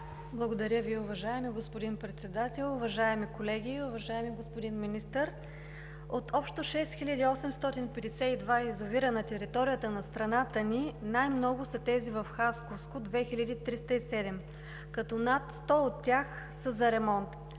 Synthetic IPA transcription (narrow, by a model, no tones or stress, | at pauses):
blˠɐɡod̪ɐɾʲəviʊvɐʒaɛmiɡospod̪inpɾɛt̪sɛd̪at̪ɛlˠʊvɐʒaɛmikolɛɡʲiʊvɐʒaɛmiɡospod̪inminist̪əɾ | ot̪ʰɔpʃt̪oʃɛst̪xilʲɐd̪iɔsɛmst̪ɔt̪inpɛd̪ɛsɛid̪vaizoviɾɐnɐt̪ɛɾit̪ɔɾijət̪ənɐst̪ɾɐnat̪əninajmnɔɡʊsɐt̪ɛzivəfxaskofskod̪vɛxilʲɐd̪it̪ɾist̪əisɛd̪ɛm | kɐt̪ɔnat̪st̪ɔot̪ːʲjax | səzɐɾɛmɔnt̪